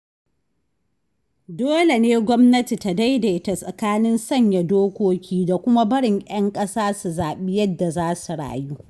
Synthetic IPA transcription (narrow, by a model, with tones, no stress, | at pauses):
doː˦le˨neː˦ɡʷɔ˦mnɐ˦ti˨ta˨da˦jda˨ʔɪ˦ta˦sʼɐ˨kaː˦nɪ˦nsɐ˦˨ɲja˨doː˦kʷoː˦kʲʰiː˦da˨kʷʊ˦ma˦bɐ˦ɽɪ˨ŋʔj̰ɐ˦ŋkʼɐ˦saː˦su˨zaː˨ɓi˦jɐ˦dːa˨zaː˦su˨ɽa̰ː˨juː˦